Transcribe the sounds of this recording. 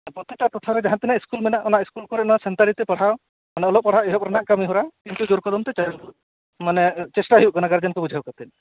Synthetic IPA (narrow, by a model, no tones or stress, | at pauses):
pɾɔt̪iʈat̪ɔt̪ʰaɾɛd͡ʒaɦant̪inaʔiskulmɛnaʔɔnaʔiskulkɔɾɛnɔnasɛnt̪aɽit̪epɔɽ̤aw | maneɔlɔpɔɽ̤aweɦɔpɔɾɔnaʔkamiɦuɾakint̪ud͡ʒoɾkɔd̪ɔmt̪et͡ʃaluʔ | manet͡ʃesʈaɦiwʔɡɔnaɡaɾd͡ʒankubud͡ʒʱawkat̪ɛn